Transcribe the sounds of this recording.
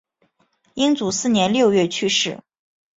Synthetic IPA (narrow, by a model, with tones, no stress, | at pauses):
i˥ŋt͡su˨˩sɹ̩˥˩njɛ˧˥nljo˥˧ʊɥɛ˥˩t͡ɕʰy˥˧ʂɻ̩˥˩